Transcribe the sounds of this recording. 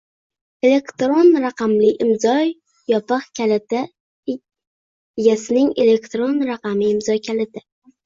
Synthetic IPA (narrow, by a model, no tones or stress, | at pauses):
e̞le̞kt̪ɾonɾaqɑmlɪʔɪmzɒ | jɒpɨχkʲʰalɪt̪a | eɡʲasɪnɪŋele̞kt̪ɾonɾaqɑmɪɪmzɒkʲʰalɪt̪ʰa